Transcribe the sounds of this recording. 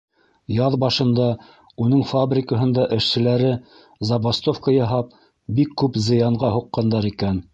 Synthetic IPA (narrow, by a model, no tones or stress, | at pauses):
jɑðbɑʃɤ̆nd̪ɑ | unɤɴfabrʲɪkə̆ɦɤ̆nd̪ɑʔɘ̆ʃsɘ̆læɾɘ | zɑβast̪ofkəjɑɦɑp̚ | bikːʉpzɤ̆jɑɴɢɑɦuqːɑnd̪ɑɾikæn